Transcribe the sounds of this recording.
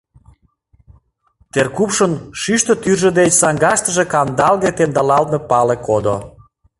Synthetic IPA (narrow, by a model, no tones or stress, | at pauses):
t̪erkupʃənʃyʃt̪ə̆t̪yrʒə̆d̪et͡ɕsɑŋɡɑʃt̪ə̆ʒekɑnd̪ɑlɣet̪end̪ɑlɑlt̪mepɑlekod̪o